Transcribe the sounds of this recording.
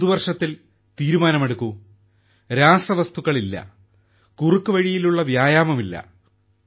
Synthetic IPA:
ðuʋɐrʂɐt̪ːil | t̪iːɾumaːnɐme̞ɽukːu | ɾaːsɐʋɐst̪uɣɐɭilːɐ̰ | kurukːuʋɐɻijiluɭːɐʋjaːjaːmɐmilːɐ̰

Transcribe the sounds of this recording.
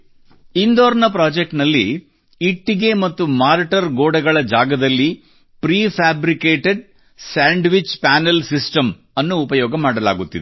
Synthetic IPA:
ind̪oːɾnɐpɾaːd͡ʒek̚ʈnɐlːiː | ʈːiɡe̞mɐt̪ːumaːɾʈɐɾɡoːɽɐɡɐɭɐd͡ʒaːɡɐd̪ɐlːi | pɾiːpʰaːbɾikeːʈeɖ̚ | saːɳɖʋit͡ʃpaːnelsisʈɐm | ɐnːuːpɐjɔːɡɐmaːɽɐla̰ːɡut̪ːid̪e

